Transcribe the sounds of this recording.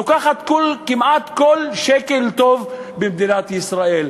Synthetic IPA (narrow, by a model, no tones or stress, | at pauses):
okaχat̪kolkimʔat̪kolʃeke̞lt̪o̞vbemd̪inat̪isʁael